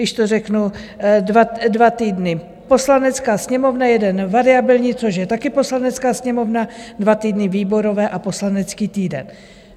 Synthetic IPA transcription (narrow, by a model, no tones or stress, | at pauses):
ɪʃt̪orɛknudvadvat̪iːdnɪ | po̞slanɛt͡skaːsɲɛmo̞vnajɛdɛnvaɾɪabɪlɲiːt͡so̞ʃjɛt̪akɪpo̞slanɛt͡skaːsɲɛmo̞vnadvat̪iːdnɪviːbo̞ɾo̞vɛːʔapo̞slanɛt͡skiːt̪iːdɛ̰n